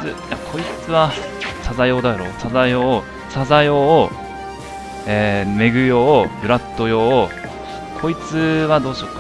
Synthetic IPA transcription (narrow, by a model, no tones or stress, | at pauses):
ɨjakʰo̞it͡sɨβasazajo̞ːd̪aɾo̞ːsazajo̞ː | sazajoː | eːme̞ɡɯ̟jo̞ːbɯ̟ɾat̪ːo̞jo̞ː | kʰo̞it͡sɨβad̪o̞ːɕo̞ka